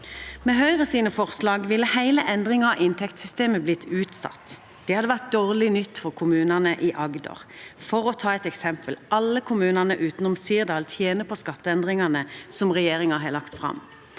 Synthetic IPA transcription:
mɛːɦœʏʁəsiːnəfɔʁslɑːɡʋɪlːəhæɪləʔɛnd̪ʁɪŋɑɑʔɪnt̪ʰɛkt̪sʏst̪eːməblɪt̪ʰːʉːt̪sɑ̰t̪ː | d̪̥ɛhɑd̪əʋæʁt̪̚d̪oːʁlɪnʏt̪ːfɔʁkʰʊmʉːnənəʔiʔɑɡd̪ɔ̰ʁfɔʁɔt̪ʰɑːɛt̪ɛksɛmpəlɑlːəkʰʊmʉːnəʁnəʔʉːt̪n̩ɔmsiːʁd̪ɑːlt̪ʰjeːnəpʰɔskɑt̪ːəɛnd̪ʁɪŋɑnəsɔmʁɛjeːʁɪŋɑɦɑlɑkt̪fʁɑ̰m

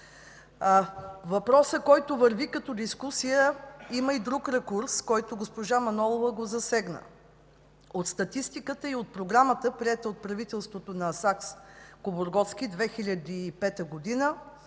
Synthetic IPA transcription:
vɐpɾɔsəkɔjt̪ovəɾvikɐt̪ɔd̪iskusijəiməid̪ɾukɾɛkuɾskɔjt̪oɡospoʒamɐnɔlˠovəɡozɐsɛɡnə̰ | ot̪st̪ɐt̪ist̪ikət̪əiot̪̚pɾoɡɾamət̪əpɾiɛt̪əot̪̚pɾɐvit̪ɛlˠst̪vot̪onɐsakskoboɾɡɔt̪sk̟id̪vɛxilʲəd̪iːpɛt̪əɡod̪inə

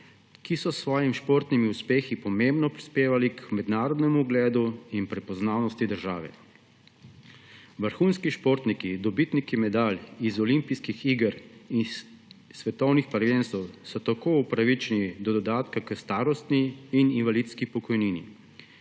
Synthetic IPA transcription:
kisɔsʋɔːjimʃpoːɾt̪nimiuspeːxipɔmembnɔpɾispeːʋalikmɛd̪naːɾɔd̪nɛmuːɡlɛːd̪uinpɾɛpɔznaːwnɔst̪id̪əɾʒaːʋɛ̰ | ʋəɾxuːnskiʃpoːɾt̪nikid̪ɔbit̪nit̪kimɛd̪aːlizɔlimpijskixiɡəɾinsʋɛt̪ɔwnixpaɾjeːnst̪ɔwsɔt̪akoːupɾaʋit͡ʃɛnid̪ɔd̪ɔd̪aːt̪kakəst̪aːɾɔst̪niːninʋalit̪skipɔkɔjniːnḭ

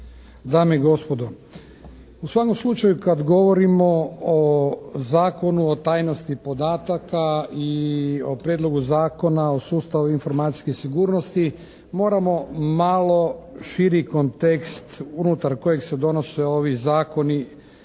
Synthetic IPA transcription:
d̪aːmeiɡo̞spo̞d̪o | usʋako̞mslˠut͡ʃajukad̪ɡo̞ʋo̞ɾimo̞ozaːko̞nuot̪aːjno̞st̪ipo̞d̪aːt̪akaiopɾjed̪lˠo̞ɡuzaːko̞naosuːst̪aʋuinfo̞ɾmaːt̪i̥sʲkesiɡuːɾnost̪i | mo̞ːɾamo̞malˠo̞ʃiɾikont̪e̞kst̪unut̪aɾko̞je̞ɡsed̪o̞no̞seo̞ʋizaːko̞ni

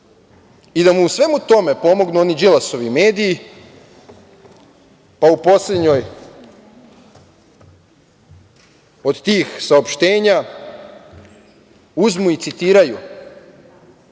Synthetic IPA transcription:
id̪amuːsʋe̞mut̪o̞me̞po̞mo̞ɡnuonid͡ʒilaso̞ʋime̞ːd̪iː | paupo̞sle̞d̪ɲo̞j | o̞d̪t̪iːxsaopʃt̪e̞ːɲa | uzmuit̪sit̪iːɾaju

